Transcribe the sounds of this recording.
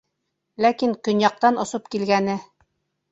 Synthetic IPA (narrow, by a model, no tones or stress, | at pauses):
lækiŋkɵ̆njɑq̚t̪ɑnŏsop̚kilɡænɘ